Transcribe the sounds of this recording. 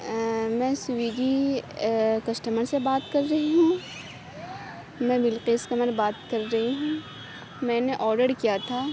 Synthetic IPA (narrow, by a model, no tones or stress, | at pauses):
mɛ̃sʊʋiːɡi | kɐsʈəməɾsebaːt̪kɐɾːɐɦiɦũ | mɛ̃bɪlqeːskɐməɾbaːt̪kɐɾːɐɦiɦũ | mɛ̃ːneʔɔːɾɖəɾkijat̪ʰaː